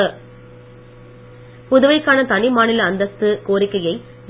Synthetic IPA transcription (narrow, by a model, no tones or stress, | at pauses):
pʊðʊʋɐɪkːaːnɐt̪ɐnɪmaːnɪlɐːnd̪ɐst̪ːɯkoːɾɪkːɐjɐɪ